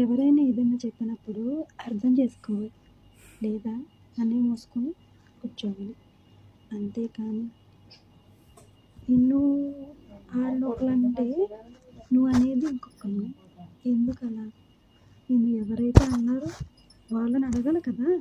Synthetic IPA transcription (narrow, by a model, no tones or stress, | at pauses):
ɛʋɐɾɐjnaid̪ɐnɐːt͡ʃɛpːinɐpːuɽuɐɾd̪ʰɐmt͡ʃe̞ːsu̥kɔːʋaːli | lɛːd̪aː | ɐnːeːmoːsu̥koni | ut͡ʃːɐːʋaːli | ɐnt̪e̞ːkaːni | inːu | aːɭːoklɐɳʈe̞ː | nuʋːɐne̞ːd̪iŋkokːɐnu | e̞nd̪ukɐlaː | nenːuɛʋɐɾɐjt̪e̞ːɐnːaːɾu | ʋaːɭːɐnɐɽɐɡɐlɐkɐd̪aː